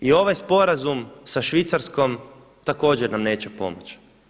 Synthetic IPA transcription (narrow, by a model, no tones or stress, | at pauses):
io̞ʋajspo̞ɾazumsaʃʋit̪saɾskom | t̪ako̞ːd͡ʑeɾnamne̞ːt͡ɕepo̞̰mot͡ʃ